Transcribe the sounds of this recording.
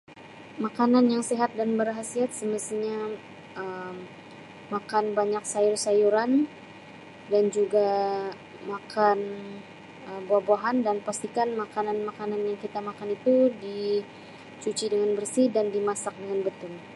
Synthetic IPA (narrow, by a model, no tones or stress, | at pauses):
makananjaŋseɦat̪̚danbəɾɦasiat̪̚səməst̪iɲa | ʔəm | makanbaɲak̚sajʊrsajuɾan | dand͡ʒuɡa | makʰan | əboabaɦandanpast̪ikanmakananmakananjaŋkit̪amakanit̪udi | t͡ʃut͡ʃidəŋanbərsidandimasak̚dəŋanbət̪ʊl